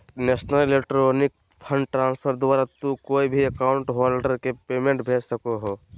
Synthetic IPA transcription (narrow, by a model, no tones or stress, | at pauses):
neːsnəlelekʈɾoːnik̚ | pʰə̃ɳɖʈɾãːnspʰəɾd̪ʊaːɾat̪ukoːibʱiəkaːʊ̃ɳʈɦɔːlɖəɾkepeːmẽɳʈbʱeːd͡ʒsəkoɦoː